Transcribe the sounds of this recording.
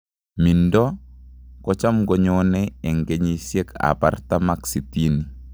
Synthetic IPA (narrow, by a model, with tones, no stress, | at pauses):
mi˨ndɔ˦ | kɔt͡ʃa˦mɡɔ˨ɲɔnɛɛ˨ŋɡe˨ɲi˨sje˦ka̰˨pa̰˨rta˦maksi˨ti˦ni˨